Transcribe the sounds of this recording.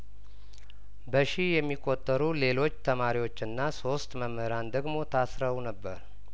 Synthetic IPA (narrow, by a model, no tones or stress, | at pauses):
bəʃijɛmːikʼːo̞t̪ʼːəɾule̞lo̞t͡ʃːt̪ʰəmaɾiwo̞t͡ʃːɨnːaso̞st̪məməhəɾand̪əɡmo̞t̪ʰasɾəwunəbːə̰ɾ